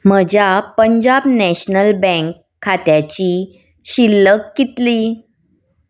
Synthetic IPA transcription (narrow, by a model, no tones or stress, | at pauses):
m̤əd͡ʑʱjapəɲd͡ʑabnɛɕnəlbɛ̃ŋkʰːat̪jat͡ɕi | ɕilːəkːit̪liː